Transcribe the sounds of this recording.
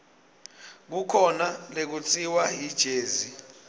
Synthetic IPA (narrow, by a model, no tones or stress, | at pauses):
k̬ukʰɔnalek̬ut͡sʰʼiwaɦid̥ʒ̥ʱeːzi